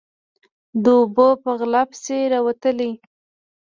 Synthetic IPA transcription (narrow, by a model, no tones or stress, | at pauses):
d̪əʊbəpəɣlapseɾawat̪əli